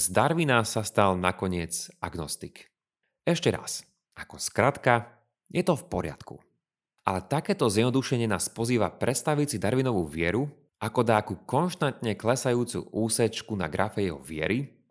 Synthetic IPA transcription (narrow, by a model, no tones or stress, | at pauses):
zd̪aɾʋinasast̪alnakɔɲɪɛt͡saɡnɔst̪ik | ɛʃcɛɾa̰s | ʔakɔskɾat̪ka | jɛt̪ɔfpɔɾɪa̰t̪kṵ | ʔalɛt̪akɛːt̪ɔzɪjɛd̪nɔd̪uʃɛɲɪɛnaːspɔziːʋapɾɛt̪st̪aʋit͡sid̪aɾʋinɔʋuʋɪɛɾu | ʔakɔd̪aːkukɔnʃt̪ant̪ɲɛklɛsajuːt͡sṵʔuːsɛt͡ʃkuna̰ɡɾafɛjɛɦɔ̰ʋɪɛ̰ɾi